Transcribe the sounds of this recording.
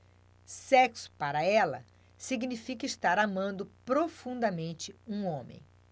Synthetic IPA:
sɛksʊ̥paɾɐɛlɐ̰ | siɡnifikɐist̪aɾamɐ̃nd̪ʊpɾofũnd̪ɐmẽnt͡ʃɪũõmḛ̃j̃

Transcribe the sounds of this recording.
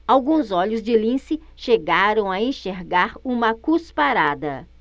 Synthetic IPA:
awɡũzɔʎʊzd͡ʒɪlĩsɪ | ʃeɡaɾɐ̃w̃aẽʃeɾɡaɾũmɐkuspaɾad̪ɐ

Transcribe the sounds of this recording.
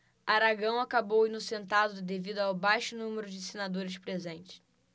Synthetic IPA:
aɾaɡɐ̃w̃akabowinʊsẽnt̪ad̪ʊd̪evid̪ʊawbajʃʊnũmeɾʊd͡ʒɪsenad̪oɾɪspɾezẽnt͡ʃɪ̥

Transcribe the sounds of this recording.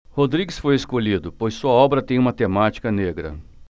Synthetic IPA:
hod̪ɾiɡɪsfojeskoʎid̪ʊpojssuɐɔbɾɐt̪ẽj̃ũmɐt̪emat͡ʃi̥kɐneɡɾɐ̰

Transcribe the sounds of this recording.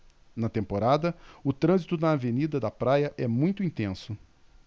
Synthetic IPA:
nɐt̪ẽmpoɾad̪ɐʊt̪ɾɐ̃zit̪ʊnɐːvenid̪ɐd̪ɐpɾajɐʔɛmũj̃t̪ʊĩnt̪ẽsʊ

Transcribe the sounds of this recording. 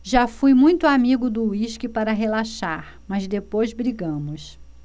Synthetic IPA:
ʒafujmũj̃t̪ʊamiɡʊd̪ʊiʃkɪpaɾɐɦelaʃaɾ | mɐzd̪epojzbɾiɡɐ̃mʊs

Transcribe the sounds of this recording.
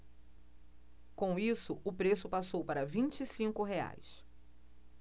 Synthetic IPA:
kõw̃isʊʊpɾesʊpasowpaɾɐvĩnt͡ʃisĩŋkʊɦea̰js

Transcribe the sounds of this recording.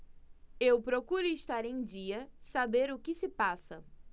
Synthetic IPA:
ewpɾokuɾʊɪʃt̪aɾẽj̃d͡ʒiɐsabeɾʊkɪsɪpasɐ̰

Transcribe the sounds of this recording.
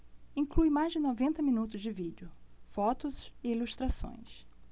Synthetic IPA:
ĩklujmajzd͡ʒɪnovẽnt̪ɐmĩnut̪ʊzd͡ʒɪvid͡ʒʊfɔt̪ʊzɪiluʃt̪ɾasõ̰j̃s

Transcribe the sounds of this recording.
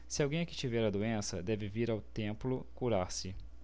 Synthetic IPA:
sɪawɡẽj̃ɐkɪ̥t͡ʃivɛɾɐd̪oẽsɐd̪ɛvɪviɾawt̪ẽmplʊkuɾaɾsɪ

